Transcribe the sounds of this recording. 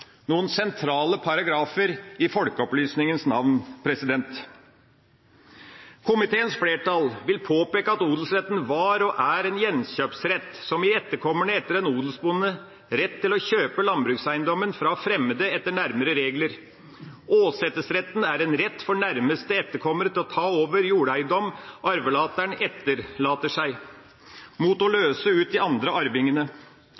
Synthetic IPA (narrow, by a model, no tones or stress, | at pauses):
nuːənsɛnt̪ʰɾɑːləpʰɑɾɑɡɾɑːfəɾɪfɔlkəɔplyːsnɪŋənsnɑʋnpʰɾɛsɪd̪ɛnt̪ | kʰʊmɪt̪ʰeːənsfleːʈɑlʋɪlpʰoːpeːkəɑt̪uːd̪lsɾɛt̪n̩ʋɑɾɔʔæɾɛnjɛnɕøːpsɾɛt̪ːsɔmɪɛt̪ːəɾkʰɔmːənəɛt̪ːəɾɛnuːd̪lsbʊnːə | ɾɛt̪ʰːɪlɔçøːpəlɑnbɾʉːksæɪənd̪ɔmːənfɾɑfɾɛmːəd̪əɛt̪ːəɳæɾməɾəɾeːɡləɾ | ʔoːsɛt̪ːəsɾɛt̪ːn̩æɾɛnɾɛt̪ːfɔɳæɾməst̪əɛt̪ːəɾkʰɔmːəɾət̪ʰɪlɔt̪ʰɑːoːʋəɾjuːɽæɪnd̪ɔmɔɑɾʋəlɑːt̪æɳɛt̪ːəɾlɑːt̪əʂæɪ | mut̪ɔløːsəʉːt̪̚d̪ɪɑnd̪ɾəɑɾʋɪŋənə